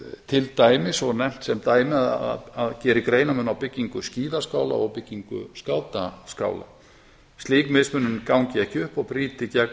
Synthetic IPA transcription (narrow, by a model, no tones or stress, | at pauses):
t̪ʰɪlt̪aːjmɪsɔɣnɛm̥t̪sɛmt̪aːjmɪaða̰aðcɛːɾɪkɾeːjnamʏnawpɪcːiŋkʏsciːðaskaːwla̰ɔɣpɪcːiŋkʏ̰skaːwt̪aska̰ːwla̰ | st̪liːkmɪðsmʏnːʏnkawŋcɪɛhcɪʏhpɔɣpɾiːt̪ɪcɛ